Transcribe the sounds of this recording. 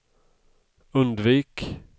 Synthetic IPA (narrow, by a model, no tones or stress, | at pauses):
ɵnd̪viːk